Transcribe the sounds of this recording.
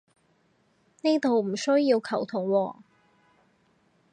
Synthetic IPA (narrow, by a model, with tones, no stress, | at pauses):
ne˥t̪o˨wm̩˨˩sɵ˥ɥjːiː˧wkʰɐ˨˩wt̪ʰʊ˨˩ŋwɔː˧